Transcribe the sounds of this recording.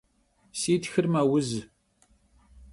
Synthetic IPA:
siːt̪xɨrmawʊz

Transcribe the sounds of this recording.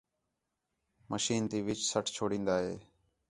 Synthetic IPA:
məʃiːnt̪iːʋɪt͡ʃsəʈʰt͡ʃʰoːɽĩːnd̪aːɦeː

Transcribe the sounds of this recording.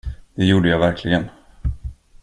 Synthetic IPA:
d̪̥ɛjuːɖəjɑːvæɾkʰlɪɡən

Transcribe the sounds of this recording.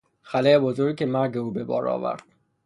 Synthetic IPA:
xælejebozoɾɡcʰemæɾɟeuːbe̞bɒ̰ːɾɒ̰ːvæ̰ɾd̪̥

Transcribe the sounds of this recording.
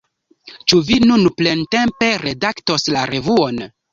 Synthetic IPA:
t͡ʃuvinunple̞nte̞mpe̞ɾe̞dakto̞slaɾe̞vuon

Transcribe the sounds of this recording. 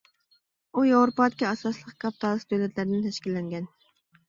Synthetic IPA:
ujowɾopɑt̪̚kʲɛɑsɑslˠəqkʲʰɑp̚t̪ʰɑlˠɨsd̪ølɛt̪ʰlæɾɪd̪ɪnt̪ʰɛʃkʲilːɛŋɡʲɛn

